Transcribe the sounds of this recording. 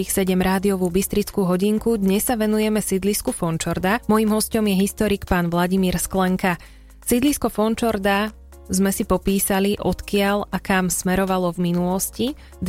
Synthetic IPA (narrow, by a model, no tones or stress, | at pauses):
ixsɛɟɛmɾaːd̪iɔʋuːbist̪ɾit͡skuːɦɔɟiŋkud̪ɲɛsːaʋɛnujɛmɛsid̪liskufɔnt͡ʃɔɾd̪amɔjimɦɔscɔmjɛɦist̪ɔɾikpaːnʋlaɟimiːɾsklɛŋka | sid̪liskɔfɔnt͡ʃɔɾd̪a | zmɛsipɔpiːsaliʔɔt̪kɪalakamsmɛɾɔʋalɔvminulɔsci | d̪